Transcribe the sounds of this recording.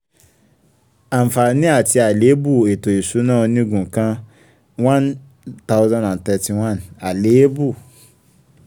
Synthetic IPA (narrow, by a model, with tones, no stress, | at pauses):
a˨m̩˨fa˨nĩ˦a˦˨ti˧a˨le˨˦bu˦˨e˨to˨i˨su˨˦nãː˦˨˧nĩ˦ɡũ˨kã˧ | wã˦n | ta˦wzã˦nã˨ntɛ˧˨ti˨wã˦˨na˨le˨˦bu˦˨